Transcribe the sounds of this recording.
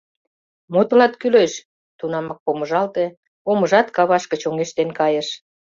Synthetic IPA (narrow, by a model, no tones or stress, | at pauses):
mot̪ə̆lɑt̪kyleʃ | t̪unɑmɑk̚pomə̆ʒɑlt̪e | omə̆ʒɑt̪kɑβɑʃkət͡ɕoŋeʃt̪enkɑjə̆ʃ